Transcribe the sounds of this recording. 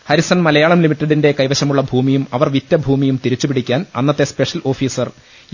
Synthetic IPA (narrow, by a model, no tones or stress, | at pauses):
hɐɾisɐnmɐlɐjaːɭɐmlimiʈːɐɽinde̞kɐjʋɐɕɐmuɭːɐbʱuːmijumɐʋɐrʋit̪jɐbʱuːmijumt̪iɾit͡ɕːupiɽikʲːaːnɐnːɐt̪ːe̞spe̞ʂɐlo̞ːfiːsɐr